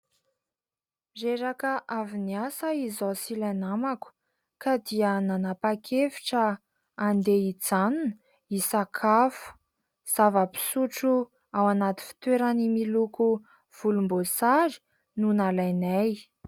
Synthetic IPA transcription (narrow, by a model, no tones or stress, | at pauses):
reɾakəʔaviniasəizosilanamaku̥ | kad̪iənanapakʰefi̥ʈ͡ʂəː | nd̪eid͡zanunə | isakʰafu̥ | z̥avəpi̥suʈ͡ʂu | awanat̪i̥fi̥t̪weɾanimiluku | v̥ulumbosaɾi̥ | nunalajnaj